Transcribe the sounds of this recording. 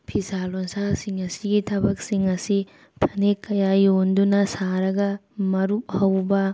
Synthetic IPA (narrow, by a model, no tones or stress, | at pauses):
pʰisalonsasiŋɐsiɡitʰɐbɐk̚siŋɐsi | pʰɐnekːɐjajondunɐsaɾɐɡɐmɐɾup̚hɐwbɐ